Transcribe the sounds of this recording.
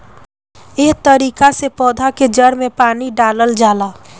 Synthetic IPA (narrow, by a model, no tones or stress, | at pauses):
eɦt̪əɾiːkasepɔːd̪ʱaked͡ʒəɾmẽpaːniɖaːləld͡ʒaːlaː